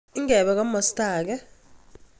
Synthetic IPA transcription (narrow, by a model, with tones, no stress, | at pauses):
i˦ŋɡɛ˨ɓɛ˨k̬a˦mɔ˨staː˨k̬ɛ˦